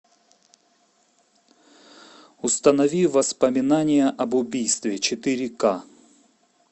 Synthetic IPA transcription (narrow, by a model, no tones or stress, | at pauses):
ʊst̪ənɐvʲivɐspəmʲɪnanʲɪjəʔɐbʊbʲijst̪vʲɪt͡ɕɪt̪ɨɾʲɪka